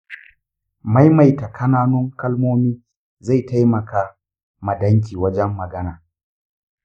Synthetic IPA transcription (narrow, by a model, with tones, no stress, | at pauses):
ma˦jma˨jta˨kʰɐ˦naː˦nʊ˦ŋkɐ˦lmoː˦miː˦ | za˦˨jta˦jmɐ˨kaː˦ | mɐ˨dɐ˦ŋk̬ʲiː˨wɐ˦d͡ʒɛ˦mːɐ˨ɡɐ˦naː˨